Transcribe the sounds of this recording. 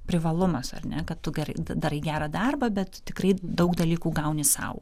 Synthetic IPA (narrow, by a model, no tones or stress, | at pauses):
pʲɾʲɪʋɐlˠʊmɐsɐ̰rnʲɛkɐt̪t̪ʊɡʲɛɾɐɪd̪ɐd̪ɐɾiːɡʲæːɾɐd̪ɐrbɐbʲɛt̪t̪ʲɪkɾɐɪd̪ɐʊkd̪ɐlʲiːkuːɡɐʊnʲɪsɐ̰ʊ